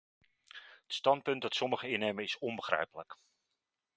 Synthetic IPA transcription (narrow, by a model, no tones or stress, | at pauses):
ətstɑnt̚pɵnt̚dɑtsɔməχəɪnejməɪsɔnbəχrɛ̰jpələk